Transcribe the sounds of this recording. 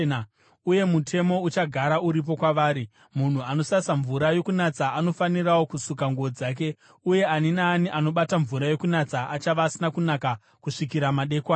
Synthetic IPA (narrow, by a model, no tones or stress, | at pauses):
uje̞mutʰe̞mo̞ut͡ʃaɡʱaɾauɾip̬o̞kwaʋaːɾi | mun̤uano̞sasaɱvuɾajo̞kunat͡saːno̞faniɾawo̞kusukaŋɡuod͡zaːk̬e̞ | uje̞aninaːniʔano̞ɓataɱvuɾajo̞kunat͡saʔat͡ʃaʋaːsinakunaka | kuʂikiɾamaɗe̞ːkwa